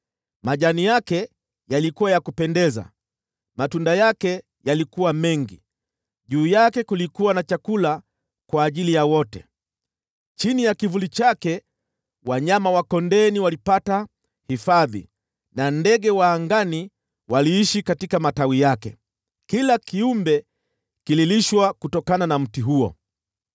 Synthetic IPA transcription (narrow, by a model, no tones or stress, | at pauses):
maʄanijakɛ | jalikuwajakupɛndɛza̰ | matundajakɛ | jalikuwamɛŋɡḭ | ʄuːjakɛkulikuwanat͡ʃakula | kwaːʄilijawɔtɛ̰ | t͡ʃinijakivulit͡ʃakɛ | waɲamawakɔndɛniwalipata | hifaðḭ | nandɛɡɛwaːŋɡani | waliiʃikatikamatawijakɛ̰ | kilakiumbɛ | kililiʃwakutɔkananam̩tiɦuɔ̰